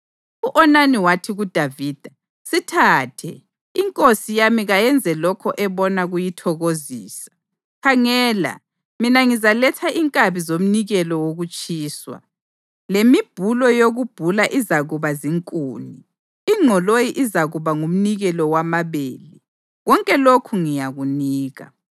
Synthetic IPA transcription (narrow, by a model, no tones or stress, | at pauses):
uʔɔnaniwatʰiɣud̥ʱaviːd̥ʱa | sitʰaːtʰɛ̰ | iŋkʼosijamiɣajɛnd͡zʱɛlɔkʰɔʔɛβɔnaɣujitʰɔɣoziːsḁ | kʰaŋɛːla̰ | minaŋizalɛtʰaʔiŋkʼaβizom̩niɣɛlɔwoɣut͡ʃʼiːswa̰ | lemib̥ʱulɔjoɣub̥ʱulaʔizaɣuβaziŋkʼuːni | iŋ͡ǁʱɔlojiʔizaɣuβaŋum̩niɣɛlɔwamaβḛːli | ɣɔŋkʼɛlokʰuŋijaɣuniːɣa̰